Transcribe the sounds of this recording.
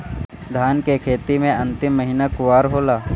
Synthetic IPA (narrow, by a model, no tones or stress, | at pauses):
d̪ʱaːnkekʰeːt̪imẽɐ̃nt̪ɪmːəɦinakʊʋaːɾɦoːlaː